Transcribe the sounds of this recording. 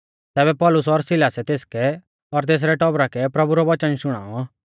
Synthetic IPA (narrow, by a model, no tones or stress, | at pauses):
t̪ɛːbɛpɔːlʊsɔɾsɪlaːsɛt̪eːskɛ | ɔɾt̪eːs̬ɾɛʈɔbɾakɛpɾɐbuɾɔʋɐt͡ʃənʃʊɽ̃a̰ːɔ